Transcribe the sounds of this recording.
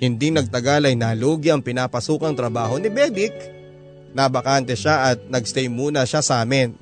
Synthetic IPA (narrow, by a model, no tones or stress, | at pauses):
hɪnd̪iŋnɐɡ̚t̪ɐɡalɐjnaːloːɡɪɐŋpɪnaːpɐsuːkɐŋt̪ɾɐbaːɦo̞nɪbɛːb̪ɪk̚ | nɐbɐkant̪ɛʃaʔɐt̪̚nɐɡ̚st̪ɛjmuːnɐʃasaːmɪn